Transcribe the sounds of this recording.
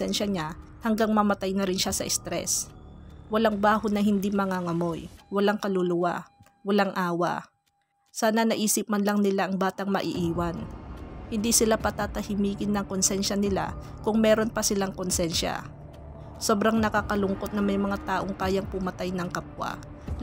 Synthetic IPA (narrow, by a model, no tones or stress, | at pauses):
ɛnʃɐɲa | hɐŋɡaŋmɐmɐt̪ajnɐɾɪnʃasɐʔɪst̪ɾɛ̰s | wɐlaŋbaːhonɐɦɪnd̪imɐŋaːŋɐmojwɐlaŋkɐlʊlʊwa̰ | wɐlaŋʔaːwɐ̰ | saːnɐnɐʔiːsɪp̚manlɐŋnɪlaʔɐŋbaːt̪ɐŋmɐʔɪ̰ʔiːwanhɪnd̪isɪlapɐt̪at̪ɐhɪmiːkɪnːɐŋkonsɛnʃɐnɪla̰ | kʊŋmɛːɾo̞npɐsɪlaŋkonsɛnʃa̰ | so̞ːbɾaŋnɐkakɐlʊŋko̞t̪̚nɐmɐjmɐŋat̪aːʔo̞ŋkaːjaŋpʊmɐt̪ajnɐŋkɐp̚wa̰